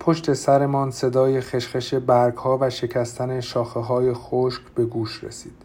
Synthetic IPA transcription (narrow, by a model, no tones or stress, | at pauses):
pʰo̞ʃt̪ʰe̞sæɾe̞mɒːnse̞d̪ɒːje̞xeʃχe̞ʃe̞bæɾɡhɒːvæʃe̞cʰæst̪ʰæneʃɒːxeɦɒːje̞xoʃkb̥e̞ɡuːʃrḛsiːd̪̥